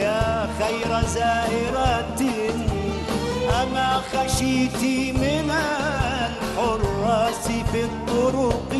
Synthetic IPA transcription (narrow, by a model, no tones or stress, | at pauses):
aːxajɾazaːʔɪɾat̪ | ʔamaːxaʃiːt̪imɪnal | ħʊrˤːɑsɪfit̪ˤːʊɾʊq